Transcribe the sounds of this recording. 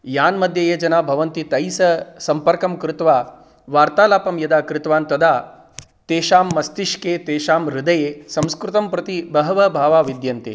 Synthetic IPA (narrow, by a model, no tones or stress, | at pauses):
jaːnmɐd̪ʱjɐjed͡ʒɐnaːbʱɐʋɐnt̪it̪ɐjsɐsɐmpɐɾkɐmkɾɪt̪ʋaː | ʋaːɾt̪aːlaːpɐmjɐd̪aːkɾɪt̪ʋaːnt̪ɐd̪ʱaː | t̪eːʃaːmːɐst̪iʃkeːt̪eːʃaːmɾɪd̪ɐjeːsɐ̃mskɾut̪ɐmpɾɐt̪ibɐɦɐʋɐbʱaːʋaːʋid̪jɐnt̪ḛː